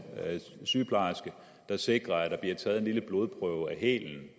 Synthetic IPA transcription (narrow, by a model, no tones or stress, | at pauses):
syːpʰlɑ̈sɡ̥ə | d̥ɑ̈se̝ɡ̥ʁɐæd̥ɑ̈b̥liɐt͡sʰɛːð̞̩ˠe̝nliləb̥lo̝ːð̞ˠpʰʁœʊæɦḛːln̩